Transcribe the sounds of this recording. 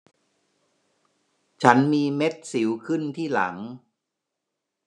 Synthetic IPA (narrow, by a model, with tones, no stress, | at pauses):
t͡ɕʰa˦˥nmiː˧me˦˥t̪̚si˩˦wkʰɯ˥˩nt̪ʰiː˥˩la̰˩˦ŋ